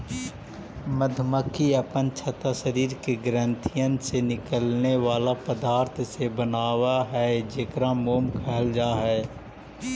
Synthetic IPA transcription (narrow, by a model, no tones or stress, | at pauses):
məd̪ʱməkʰːiəpənt͡ʃʰɐt̪aʃəɾiːɾkeɡɾə̃nt̪ʰijənsenɪkəlneʋaːlapəd̪aːɾt̪ʰsebənaːwaɦɛd͡ʒeːkɾamoːmkʰɛɦld͡ʒaːɦɛː